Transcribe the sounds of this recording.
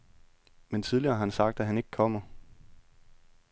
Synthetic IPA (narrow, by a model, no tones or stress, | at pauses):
ment͡sʰiðˠliɐːɦɑ̈hænsɑ̈ɡ̥̚d̥æɦæne̝ɡ̥əkʰɒ̽m̰ɐ